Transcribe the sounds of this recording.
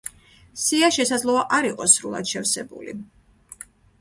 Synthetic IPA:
siaʃɛsad̪zlˠɔaʔaɾiqʼɔsɾulˠa̰d̪ʃɛfsɛbṵlḭ

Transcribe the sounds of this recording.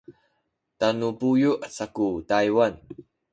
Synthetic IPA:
tanupujuʔasakutajwan

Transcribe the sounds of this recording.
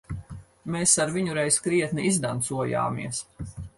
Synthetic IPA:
meːsaɾviɲuɾɛjskɾiɛt̪niizd̪ant̪suɔja̰ːmḭɛəs

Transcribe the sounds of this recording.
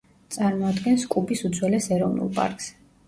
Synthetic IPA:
t̪sʼaɾmɔad̪ɡɛnskʼubisut̪zʰwɛlɛsɛɾɔvnṵlˠpʼa̰ɾkʼsɛ̥

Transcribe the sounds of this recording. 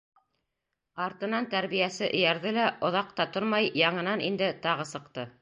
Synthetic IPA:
ɑɾt̪ɤ̆nɑnt̪æɾβijæsɘʔɘ̰̆jæɾðɘlæʔŏðɑq̚t̪ɑt̪oɾmɑjjɑɴɤ̆nɑnind̪ɘt̪ɑʁɤsɤ̆qt̪ɤ

